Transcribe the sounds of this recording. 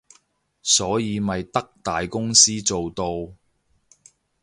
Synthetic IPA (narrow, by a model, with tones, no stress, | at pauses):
sɔː˨˥jiː˨˧mɐ˨jt̪ɐ˥k̚t̪aː˨jkʊ˥ŋsiː˥t͡so˨wt̪o˧w